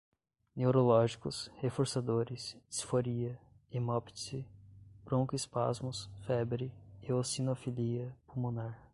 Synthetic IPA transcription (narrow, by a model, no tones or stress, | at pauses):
newɾolɔʒikʊshefoɾsad̪oɾɪssfoɾiɐ | imɔpsɪbɾõŋkʊɪspa̰zmʊsfɛbɾɪɪosinofiliɐpumunaɾ